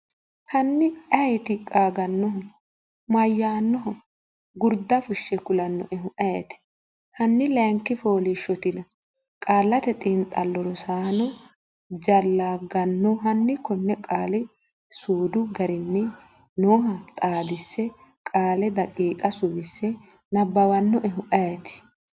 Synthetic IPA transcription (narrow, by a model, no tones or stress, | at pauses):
hɐnːɪɐjɛt̪ɪkʼaːɡɐnːɔɦɔ | mɐjːaːnːɔɦɔ | ɡʊɾd̪ɐfʊʃːɛkʊlɐnːɔ̰ʔɛɦʊʔɐjɛt̪ɪ̥ | hɐnːɪlɛŋkːɪfoːlɪʃːɔt̪ɪnɐ | kʼaːlːɐt̪ɛt̪ʼɪnt̪ʼɐlːɔɾɔsaːnɔ | d͡ʒɐlːaːɡɐnːɔɦɐnːɪkɔnːɛkʼaːlɪ | suːd̪ʊɡɐɾɪnːɛ | noːɦɐt̪ʼaːd̪ɪsːɛ | kʼaːlɛd̪ɐkʼiːkʼɐsʊwɪsːɛ | nɐbːɐwɐnːɔʔɛɦʊʔɐjat̪ɪ̥